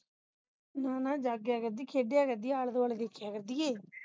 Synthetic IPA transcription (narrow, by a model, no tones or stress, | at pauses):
naːnad͡ʒaːɡjaːɡɐd̪ːikʰeɖːijaːɡɐd̪iaːɭɐd̪ɐʋɐɭɐɡekːiaːɡɐɾd̪ije